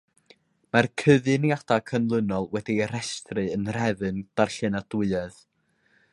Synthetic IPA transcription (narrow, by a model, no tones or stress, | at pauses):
markʰəðɨniadakʰənlˠənɔlˠwɛdiɾɛstrɨənrɛðɨnd̥arɬɨnadʊɨɛð̥